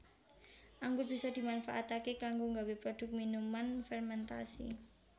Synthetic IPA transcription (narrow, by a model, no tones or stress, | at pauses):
ʔaŋɡʊr̚b̥isɔd̪̥i̤manfaʔat̪akekaŋɡoŋɡawepɾɔd̪̥ʊ̤k̚minumanfɛrmɛnt̪a̰sḭ